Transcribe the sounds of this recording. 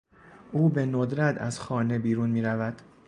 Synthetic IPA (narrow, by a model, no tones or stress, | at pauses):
ʔuːbe̞nod̪ɾæt̪ʰæ̰zxɒːne̞biːɾuːnmiːɾævæd̪̥